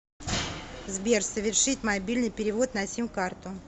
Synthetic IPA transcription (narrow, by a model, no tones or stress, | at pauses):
zbʲersəvʲɪrʂɨt̪ʲmɐbʲilʲnɨjpʲɪɾʲɪvo̞t̪nɐsʲimʲkart̪ʊ